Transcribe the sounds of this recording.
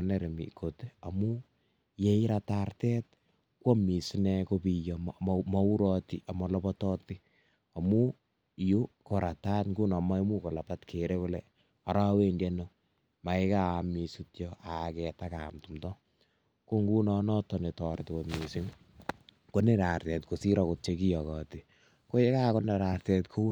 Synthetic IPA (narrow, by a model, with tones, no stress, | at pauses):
ne˨ɾe˨mḭ˨kʰo˨tea˨mu˦ | je˦i˦ɾatartɛ˦t̚ | kwo˦mi˨si˦ne˧ko˦pijɔmmɔ˦u˦ɾɔti˦ʔa˨mɔ˨lɔbɔtɔ˦ti˦ | a˨mu˦ | ju˦ko˨ɾata˦tŋɡu˦nɔ˨ma˦i˦mu˦ko˨la˨patkʰeɾe˦ko˦lɛ | a˨ɾa˦we˦nde˦no | ma˨e˦ka˦˨mi˨su˦tjɔa˨kɛ˨ta˦ka̰mtu˨mtɔ˦ | ko˦ŋɡu˦nɔ˦nɔ˦tɔ˨ne˨tɔɾɪtko˨mi˨si˦ŋ | ko˦ne˦ɾa˨rtɛ˨tko˨si˦ɾɔ˦ko˦t̚t͡ʃeki˦jɔkɔ˨ti˨ | ko˦e˦ka˦ko˦na˨ɾaɾtɛ˨tkʰo˦